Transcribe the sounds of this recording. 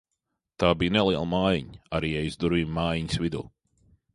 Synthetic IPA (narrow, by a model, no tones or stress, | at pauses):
t̪aːbijnɛlˠiɛlˠmaːjiɲaɾiːɛjzd̪uɾviːmmaːjiɲsvid̪ṵː